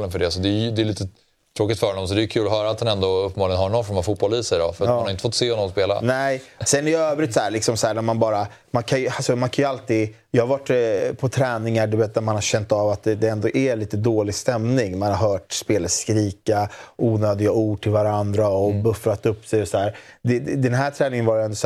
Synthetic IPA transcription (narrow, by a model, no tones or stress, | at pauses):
lənfœɖɛsɔd̪ɛd̪ɛːliːt̪ə | t̪ʰɾoːkɪt̪fœːɾhɔnɔmsɔd̪ɛjɵkʰʉ̟ːlɔɦœːɾaːt̪hanɛnd̪ɔɵpːəmɑːlɪŋənhaɾɳɔnfɔɾmafuːt̪̚bɔliːsɛdɔ̰fœɾamːnhaɾɪnt̪əfɔt̪ːseːhɔnɔmspeːla̰nɛsɛnæɾjøːvɾɪt̪sɔæːɾɭɪksɔmshæːɳæɾmanbɑːɾa | mankʰanjɵasɔmankʰanjɵalt̪iːɡ | jɑːhaɾvaʈːpʰɔt̪ʰɾɛːnɪŋaɖɵveːt̪̚d̪æɾmanhaɾɕɛnt̪avat̪̚d̪ɛd̪ɛɛnd̪ɔʔæliːt̪əd̪oːlɪɡst̪ɛmnɪŋmanhaɾɦœːʈspeːləskɾiːkaʔuːnœːd̪ɪɡauːɖ̚ʈʰɪlvaɾand̪ɾaɔbɵfɾat̪ːɵpːsɛjɔsæːɾd̪ɛd̪ɛnɦæʈʰɾɛːnɪŋənvajəɛnd̪ɔs